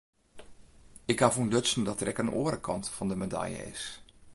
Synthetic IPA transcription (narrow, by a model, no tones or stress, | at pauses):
ɪkhavundøtsn̩dɔtərɛkənʔo̰əɾəkʰɑntfɔndəməda̰jə̰ɪ̰s